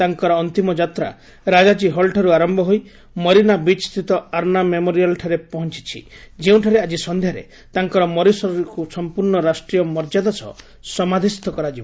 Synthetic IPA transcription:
t̪aŋkɔɾɔːnt̪imɔd͡ʒat̪ɾa̰ | ɾad͡ʒad͡ʒiɦɔlʈʰɔɾuaɾɔmbʱɔɦoj | mɔɾinabit͡ʃst̪it̪ɔaɾnamemoɾijalʈʰaɾepɔɦɔnt͡ʃi̥t͡ʃʰḭd͡ʒeũʈʰaɾead͡ʒisɔnd̪ʱjaɾḛ | t̪aŋkɔɾɔmɔɾisɔɾkusɔmpuɾɳɔɾasʈɾijɔmɔɾd͡ʒad̪asɔ̰ | sɔmad̪ʱist̪ɔkɔɾad͡ʒibɔ

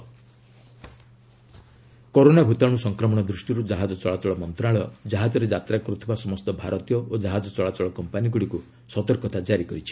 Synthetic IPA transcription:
kɔɾonabʱut̪aɽ̃usɔŋkɾɔmɔɽ̃ɔd̪ɾusʈiɾud͡ʒaɦad͡ʒɔt͡ʃɔɭat͡ʃɔɭɔmɔnt̪ɾaɭɔd͡ʒaɦad͡ʒɔɾed͡ʒat̪ɾakɔɾut̪ʰibasɔmɔst̪ɔbʱaɾɔt̪ijɔʔod͡ʒaɦad͡ʒɔt͡ʃɔɭat͡ʃɔɭɔkɔmpaniɡuɽiku | sɔt̪ɔɾkɔt̪ad͡ʒaɾikɔɾit͡ʃʰi̥

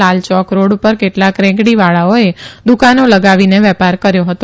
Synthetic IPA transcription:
alt͡ʃɔkɾoɽupəɾkeʈlakɾɛ̃kɡɽiʋaɭaoed̪ukanoləɡaʋineʋɛpaɾkəɾjoɦət̪o

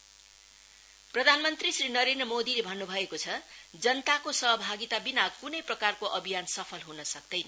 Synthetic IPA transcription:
prʌd̪ʱanmʌnt̪risrinʌɾend̪rʌmod̪ilebʱʌnːubʱʌekot͡sʰʌd͡zʌnt̪akosʌɦʌbʱaɡit̪abinakunʌjprʌkarkoʔʌbʱijansʌpʰʌlɦunʌsʌk̚d̪ʌjnʌ

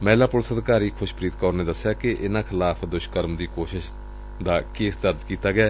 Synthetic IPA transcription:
mɛːlaːpʊɾsəd̪kaːɾiːkʰʊʃpɾiːt̪kɔːɾneːd̪əsːɪjaːkɪʔɪnãːkʰɪlaːpʰd̪ʊʃkəɾmd̪iːkoːʃɪʃ | d̪aːkeːsd̪əɾd͡ʒkiːt̪aːɡɪaː

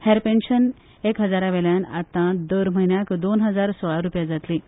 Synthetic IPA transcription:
hɛɾpenɕən | ekɦəd͡zaɾaʋeljanat̪ãd̪əɾm̤əɦinjakd̪onɦəd͡zaɾsɔɭaɾupjad͡zat̪li

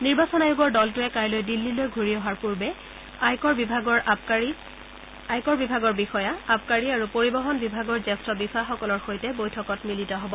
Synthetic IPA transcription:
niɹbasɔnajʊɡɔɹdɔltʊɛkajlojdilːilojɡʱuɹiɔɦaɹpuɹbɛ | ajkɔɹbibʱaɡɔɹi | ajkɔɹbibʱaɡɔɹbixɔjaap̚kaɹiaɹupoɹibɔɦɔnbibʱaɡɔɹzɛstɔbisaxɔkɔlɔɹxojtɛbojtʰɔkɔtmilitɔɦɔbɔ

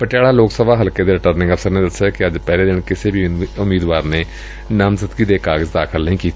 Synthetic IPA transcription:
pəʈjaːɽaːloːksəbʱaːɦəlked̪eːɾɪʈəɾnɪ̃ŋɡəfsəɾneːd̪əsakɪəd͡ʒpɛːleːd̪ɪnkɪsebʱiʊmiːd̪ʋaːɾneː | namzət̪kiːd̪eːkaːɡəzd̪aːkʰɪlnəɦĩːkiːt̪ː

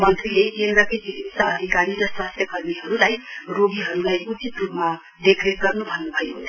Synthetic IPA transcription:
mʌnt̪rilekend̪rʌkʌjd͡zibisʌʌd̪ʱikaɾiɾʌswast̪ʰjʌkʌrmiɦʌɾulajroɡiɦʌɾulajut͡sit̪rupma | d̪ekʰretɡʌrnubʱʌnːubʱʌekot͡sʰʌ

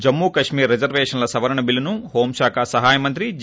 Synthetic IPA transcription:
d͡ʒɐmːuːkɐʂmiːɾːed͡ʒɐɾʋeːʂɐnlɐsɐʋɐɾɐɳɐbilːɐnuhoːmʃaːkʰaːsɐɦaːjɐmɐnt̪ɾi

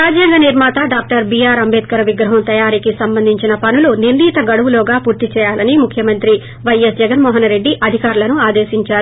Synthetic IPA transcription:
aːd͡ʒjɐŋɡɐniɾmaːt̪aɖaːk̚ʈɐɾbiːjaːɾɐmbɛːt̪̚kɐɾɐʋiɡɾɐɦɐmt̪ɐjaːɾikisɐmbɐnd̪ʱiɲt͡ʃinɐpɐnuluninɖiːt̪ɐɡɐɽuʋuloːɡaːpuːɾt̪it͡ʃɛːjaːlɐnimukʰjɐmɐnt̪ɾi | ʋɐjesd͡ʒɛɡɐnmɔːɦɐnɾe̞ɖːiʔɐd̪ʱikaːɾulɐnuaːd̪eːʃiɲt͡ʃaːɾu

